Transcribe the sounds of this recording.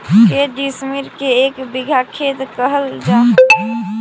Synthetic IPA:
keɖismiɾkeekbiɡʱakʰet̪kəɦəld͡ʒa

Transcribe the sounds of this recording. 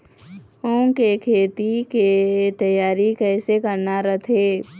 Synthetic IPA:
õːŋkekʰeːt̪iket̪ɐjaːɾikɛːsekəɾnaɾət̪ʰeː

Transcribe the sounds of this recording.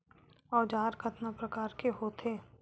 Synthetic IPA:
ɔːd͡ʒaːɾkʰɐt̪napɾɐkaːɾkeɦoːt̪ʰeː

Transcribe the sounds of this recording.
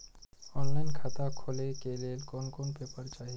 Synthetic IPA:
ɔːnlaːɪnkʰaːt̪akʰoːlekeleːlkoːnkoːnpeːpəɾt͡ʃaːɦie

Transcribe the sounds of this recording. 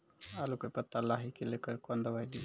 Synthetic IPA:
alukopɐt̪ːalaːɦikilekəɾkond̪əʋajd̪i

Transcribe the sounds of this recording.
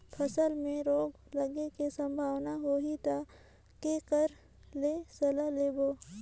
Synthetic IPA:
pʰəsəlmẽɾoːɡ | ləɡekesə̃mbʱaːwnaɦoːɦit̪a | kekəɾ | leːsɐlaleːboː

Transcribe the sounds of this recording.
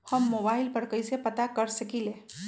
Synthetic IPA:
həmːoːbaːɪlpəɽkəjsepət̪akəɾsəkile

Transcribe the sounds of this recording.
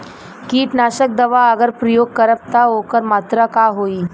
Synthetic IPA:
kiːʈnaːɕək̚d̪əʋaəɡəɾpɾəjoːɡ̚kəɾəʋt̪aɦokəɾmaːt̪ɾəkaɦoiː

